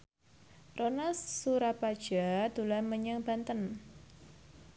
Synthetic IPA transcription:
rʔonasːuɾapad̥ʒ̥a̤d̪̥ṳlaməɲəŋb̥a̤nt̪ən

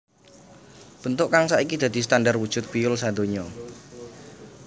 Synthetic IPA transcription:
b̥ənt̪ʊʔkaŋsaikid̪̥a̤d̪̥i̤st̪andarwud̥ʒ̥ʊ̤t̪̚b̥ijʊlsad̪o̤ɲɔ

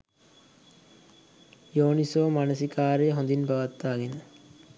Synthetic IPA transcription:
joːnisoːmanəsikaːɾəjəɦõnd̪inbɐʋat̪ːaːɡenə

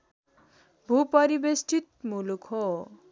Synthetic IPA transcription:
bʱupʌɾibesʈʰit̪̚mulukʰɦo

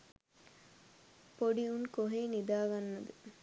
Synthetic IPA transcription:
poɖiunkoɦeːnid̪aːɡanːɐd̪ə

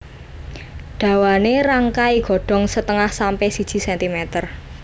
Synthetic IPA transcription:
ɖ̥ä̤waneɾaŋkaiɡ̥ɔ̤ɖ̥ɔ̤ŋsət̪əŋahsampɛhsid̥ʒ̥i̤sɛnt̪imɛt̪ər

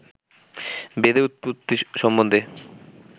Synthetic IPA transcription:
bed̪eut̪̚put̪ːiʃɔmːõnd̪ʱe

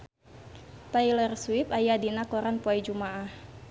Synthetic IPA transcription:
t̪ajlɛrswipajadinakɔɾanpuajd͡ʒumaʔah

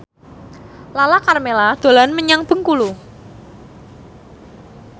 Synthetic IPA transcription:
lalakarmelad̪̥o̤lanməɲaŋb̥ə̤ŋkulu

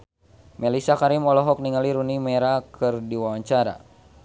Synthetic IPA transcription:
mɛlisakaɾimɔlɔɦɔk̚niŋaliɾunimɛɾakʰɨrdiwawaɲt͡ʃaɾa̰

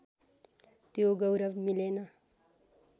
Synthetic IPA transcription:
t̪joɡʌwɾʌʋmilenʌ

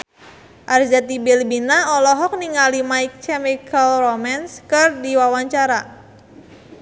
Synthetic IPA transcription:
ʔard͡ʒat̪ibilbinaɔlɔɦɔk̚niŋalimaik̚kɛmikalromɛnskɨrdiwawaɲt͡ʃaɾa

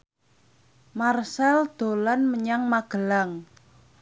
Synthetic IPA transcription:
marsɛld̪̥o̤lanməɲaŋmaɡ̥ə̤laŋ

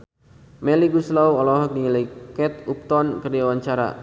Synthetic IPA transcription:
mɛliɡuslawɔlɔɦɔk̚diŋilajkɛt̪up̚t̪ɔnkərdiawaɲt͡ʃaɾa̰

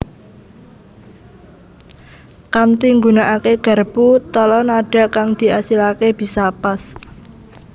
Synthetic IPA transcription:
kant̪iŋɡunaʔakeɡ̥a̤rb̥ut̪ɔlɔnaɖ̥a̤ʔkaŋd̪̥i̤ʔasilakeb̥i̤sapas

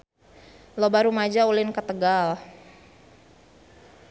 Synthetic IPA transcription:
lobaɾumad͡ʒaulɪnkət̪əɡal

